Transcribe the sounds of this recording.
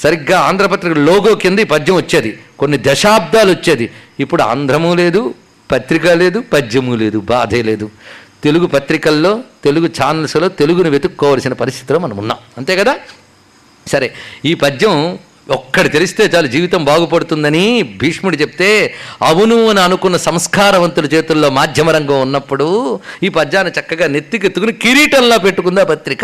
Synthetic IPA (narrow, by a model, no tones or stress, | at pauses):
sɐɾiɡːaːaːnd̪ʱɾɐpɐt̪ɾikɐloːɡoːkind̪ɐiːpɐd͡ʒːɐ̃mʋɐt͡ʃːeːd̪iko̞nːid̪ɐʃaːb̚d̪aːluɐt͡ʃːeːd̪iipːuɽua̰ːnd̪ʱɾɐmule̞ːd̪u | pɐt̪ɾikɐle̞ːd̪upɐd͡ʒːɐmule̞ːd̪ubaːd̪ʱɐːle̞ːd̪ut̪e̞luɡupɐt̪ɾikɐlːo̞ːt̪e̞luɡut͡ʃaːnɐlslo̞ːt̪e̞luɡunuʋe̞d̪ukːɔːʋaːlɐsinɐpɐɾist̪ʰit̪iloːmɐnɐmunːa̰ːmɐnt̪e̞ːɡɐd̪aː | sɐɾeiːpɐd͡ʒːɐm | ɔkːɐɽit̪elust̪e̞ːt͡ʃaːlud͡ʒiːʋit̪ɐmbaːɡup̬ɐɽut̪und̪ɐnibʱiːʂmuɽit͡ʃe̞pi̥t̪e̞ːɐʋunuɐniɐnukunːɐsɐmskaːɾɐʋɐnt̪ulɐt͡ʃeːt̪ulːo̞ːmaːd̪ʱjɐmɐɾɐŋɡɐmunːɐpːuɽuiːpɐd͡ʒːaːnːit͡ʃɐkːɐɡaːnet̪ːik̬et̪ːukunikiɾiːʈɐnlo̞ːpeʈːukund̪aːpɐt̪ɾikɐ